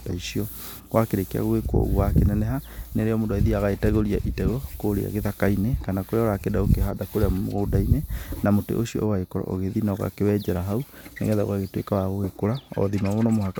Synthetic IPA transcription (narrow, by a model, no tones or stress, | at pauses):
taisiɔ | ɣwakeɾekea̰ɣwekɔ̰ɣwakenɛnɛɦaneɾeɔmodaiðiaɣaetɛɣoɾiaʔitɛɣɔkoɾḛa̰ɣeðakainekanakoɾeaɔɾakedaokeɦadakoɾeammo̰ɣodainenamotḛʔoɕiɔ̰ʔowaekɔɾɔ̰ʔo̰ɣeðinaɣa̰kewɛd͡ʒɛɾaɦaunḛɣɛðao̰ɣaɣetwḛkawaɣoekoɾaɔ̰ðimamonɔmoha